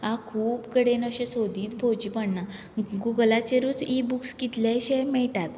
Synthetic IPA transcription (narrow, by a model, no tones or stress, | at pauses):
akʰuːpkəɽenəɕesod̪ʱiːt̪bʱod͡ʑiːpəɳna | ɡuɡlat͡ɕeɾuːt͡sibukskit̪ljaɕemɛɭʈat̪